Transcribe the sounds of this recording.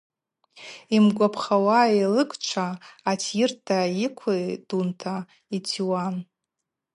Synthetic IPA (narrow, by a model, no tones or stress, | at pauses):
imɡʷapʰχawailɨkʷʰʼt͡ʃʷʰaːtʰjɪrtʰaikʷʰad̥untʰa | itʰiwan